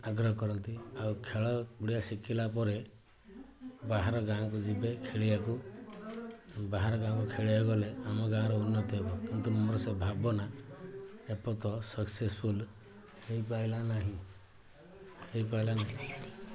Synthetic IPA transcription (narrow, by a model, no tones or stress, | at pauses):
aɡɾɔɦɔkɔɾɔnt̪iawkʰeɭɔuɽiasikilapɔɾe | baɦaɾɔɡakud͡ʒibekʰeɭiaku | baɦaɾɔɡãkukʰeɭiaɡɔleamɔɡãɾɔunːɔt̪ɔɦebɔkint̪umɔmɔɾɔsebʱabɔna | epɔt̪ɔsɔksespʰul | hejpajlanaɦĩ | hejpajlanaɦĩĩ